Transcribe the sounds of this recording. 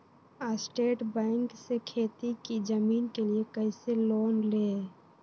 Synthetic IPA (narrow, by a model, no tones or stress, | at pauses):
asʈeːʈbɛ̃ːŋksekʰeːt̪ikid͡ʒəmiːnkeliekəɪseloːnleɛ